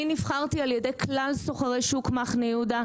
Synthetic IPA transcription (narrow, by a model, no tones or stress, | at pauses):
inifχaʁt̪ialjedejkʰlalsoχaʁejʃukmaχnejud̪a